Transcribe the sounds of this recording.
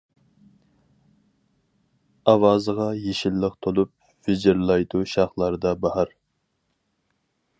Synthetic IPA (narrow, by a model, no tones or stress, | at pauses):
ɑwɑːzəʁɑjeʃilːəqt̪ʰolˠup̚ | vɪd͡ʒɪɾlˠɑjd̪uʃɑχlˠɑɾd̪ɑbɑhɑɾ